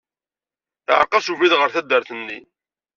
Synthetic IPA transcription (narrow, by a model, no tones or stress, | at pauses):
θəʕəqːɑsuviðʁəɾθæd̪ːəɾθənːḭ